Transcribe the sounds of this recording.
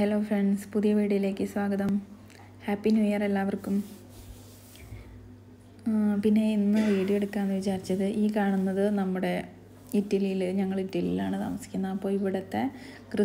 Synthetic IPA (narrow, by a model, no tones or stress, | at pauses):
helo̞ːfreɳɖspuðijɐʋiːɽijile̞ːkːɨswaːɡɐðɐm | haːpːinjujɐrelːaːʋɐrkːum | pinːe̞inːɨʋiːɽijeɽukːaːnːʋit͡ɕaːrit͡ɕːɐðɨʔiːkaːɳunːɐðɨnɐmːuɽe̞ | itːɐlijilɲɐŋːɐɭitːɐlijilaːɳɨt̪a̰ːmɐsi̥kʲːunːɐːpːo̞ːɭiʋiɽɐt̪ːekrɨ